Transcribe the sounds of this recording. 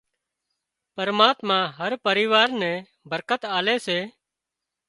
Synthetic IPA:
pəɾmaːt̪mãːɦəɾpəɾɪʋaːɾnɛ̃ː | bʱəɾkət̪aːleːseː

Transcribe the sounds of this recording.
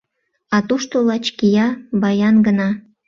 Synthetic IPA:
ɑt̪uʃt̪olɑt͡ɕkijɑbɑjɑnɡə̆nɑ

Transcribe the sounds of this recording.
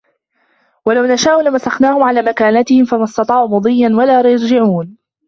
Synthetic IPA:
walawnaʃaːʔʊlamasaxnaːhʊmʕalaːmakaːnat̪ɪhɪmfanɑst̪ɑt̪ˤɑːʕʊmʊd̪ˤɨjːanwalaːɾjɑɾˤd͡ʒɪʕuːn

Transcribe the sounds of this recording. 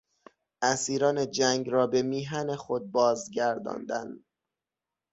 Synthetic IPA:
ʔæsiːɾɒːne̞d͡ʒæŋɡɾɒːbe̞miːɦænexo̞d̪̚bɒːzɟæɾd̪ɒ̰ːnd̪æn

